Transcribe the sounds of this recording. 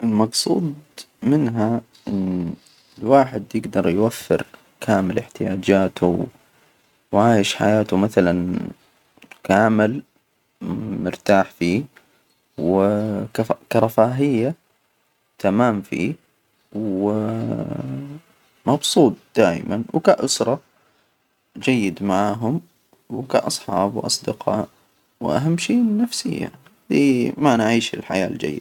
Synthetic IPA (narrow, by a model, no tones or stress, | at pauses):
ʔɪlmɑbsˤṵːd̪ | mɪnɦa | ʔɪn | ɪlwaːħɪd̪jɪɡd̪ɑɾˤjwafːɪ̰ɾ | kʰaːmɪlɪħt̪ɪjaːd͡ʒaːt̪ʰʊw | wʕaːjɪʃħa̰jaːt̪ʊmaθalan | kaːmɪl | mʊɾt̪aːħfiː | wɪkakɑɾˤɑfaːɦɪjːa | t̪ʰamaːmfḭː | w | mɑbsˤuːt̪̚ˤd̪̥aːʔmanwkaʔʊsɾˤɑ | d͡ʒajːɪd̪maʕaːɦʊm | wkaʔɑsˤħɑːbwʔɑsˤd̪ɪqʰɑːʔ | wʔa̰ɦamːʃiːnːafsɪjːa̰haaːðimanʕiːʃɪ̰lħajaːld͡ʒa̰jːɪd̪